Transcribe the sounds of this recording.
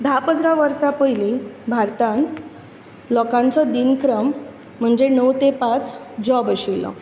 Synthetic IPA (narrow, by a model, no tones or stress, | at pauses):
d̪ʱapəd͡z̪ɾaʋəɾsapəjlibʱaɾt̪ãn | lɔkãnt͡sɔd̪inkɾəm̤ː | əɳd͡zenəwt̪epat͡s | d͡ʑɔbəɕilːɔ̰